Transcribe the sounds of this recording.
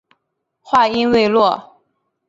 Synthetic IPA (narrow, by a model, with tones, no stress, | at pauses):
xwa˥˩i˥nwe˥˧ɪlwɔ˥˩